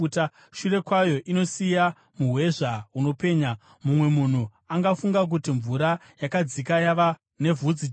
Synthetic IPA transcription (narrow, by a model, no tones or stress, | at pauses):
ta | ʃure̞kwajo̞ʔino̞sija | muɦwe̞ʐauno̞pe̞ːɲa | mumwe̞mun̤u | aŋɡafuŋɡak̬utiɱvuɾa | jakad͡zikajaʋa | ne̞vʱud͡zi